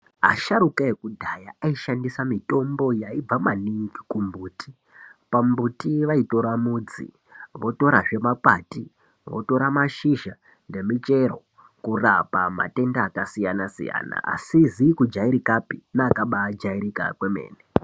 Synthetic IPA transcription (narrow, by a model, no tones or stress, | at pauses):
ɦa̰ʃaɾukaekudʱajaaiʃandisamito̞mbo̞jaib͡vamaniŋɡikumbuːti | pambutiʋaito̞ɾamuːd͡zḭ | ʋo̞to̞ɾaʐe̞makwaːti | ʋo̰to̞ɾamaʃiʒa | nde̞mit͡ʃe̞ro | kurapama̰te̞ndaːkasijanasḭja̰ːna̰ʔa̰sizikud͡ʒaiɾikapinaːkaɓad͡ʒaiɾika̰kweme̞̰ːne